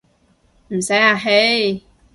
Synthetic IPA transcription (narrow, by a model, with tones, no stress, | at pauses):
m̩˨˩sa˨˦ja˧ɦe˦